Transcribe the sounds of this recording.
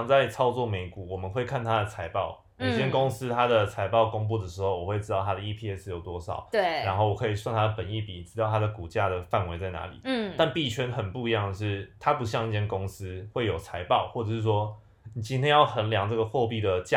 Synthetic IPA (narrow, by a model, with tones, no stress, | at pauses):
ŋt͡sa˥˨˩ɪt͡sʰɑ˥ʊt͡swɔ˥˩me˧˥ɪku˨˩wɔ˨˩mə˨˦nxwe˥˧ɪkʰa˥˩nt̪ʰa˦d̪ə˨t͡sʰa˧˥ɪpɑ˥˩˨ʊ | jo˨˩˥t͡ɕjɛ˥nkʊ˥ŋsɹ̩˥t̪ʰa˥d̪ə˨t͡sʰa˧˥ɪpɑ˥˩ʊko˥ŋp̬u˥˩d̪ə˩ʂɻ̩˧˥xo˥˩ʊwɔ˨˩we˥˩ɪʈ͡ʂɻ̩˥t̪ɑ˥˩ʊt̪ʰa˥d̪ə˨i˥pʰi˥˧ɛ˥s̩˧jo˨˩ʊt̪wɔ˥ʂɑ̰˨˩˦ʊt̪ɻa˧˥nxo˥˩wɔ˨˩kʰɤ˧˥i˨˩swa˥˩nt̪ʰa˥d̪ə˨˩pə˨˩ni˥˩pi˨˩ʈ͡ʂɻ̩˧˥t̪ɑ˥˩ʊa˥d̪ə˨˩ku˨˩t͡ɕja˥˩d̪ə˩fa˥˩nwe˧ɪt͡sa˥˩ɪna̰˧˥lḭ˨˩˦t̪a˥˧npi˥˩t͡ɕʰɥɛ˥nxə˨˩npu˥˧i˧jɑ˥˩ŋd̪ə˩ʂɻ̩˥˩t̪ʰa˦˥pu˧˥ɕ̬jɑ˥˧ŋi˥˩t͡ɕʰjɛ˥nkʊ˥ŋsɹ̩˥xwe˥˩ɪjo˨˩ʊt͡sʰa˧˥ɪpɑ˥˧ʊxwɔ˥˩ʈ͡ʂɤ˨˩ʂɻ̩˥˩ʂwɔ˥ | ni˨˩t͡ɕi˥nt̪ʰjɛ˥njɑ˥˩ʊxə˧˦nljɑ˧˥ŋʈ͡ʂɤ˥˩ɡə˩xwɔ˥˧pi˥˩d̪ə˩t͡ɕ